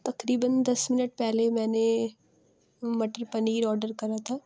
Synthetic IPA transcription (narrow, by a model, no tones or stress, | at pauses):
t̪ɐkɾiːbənd̪ɐsmɪnəʈ̚pɛɦlemɛ̃ːne | mɐʈəɾpɐniːɾɔːɾɖəɾkɐɾat̪ʰaː